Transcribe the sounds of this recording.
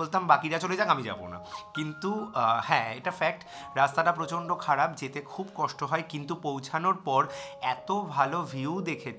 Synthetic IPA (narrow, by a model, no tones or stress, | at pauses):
olt̪ambakiɾat͡ɕoled͡ʑakamid͡ʑa̰bo̰na̰kint̪uhɛ̃eʈafɛk̚ʈ | ɾast̪aʈapɾot͡ɕoɳɖokʰaɾabd͡ʑet̪ekʰubkɔʃʈoɦɔekint̪upowt͡ɕʰanoɾpɔɾɛt̪obʱalovʱiud̪ekʰet͡ɕʰ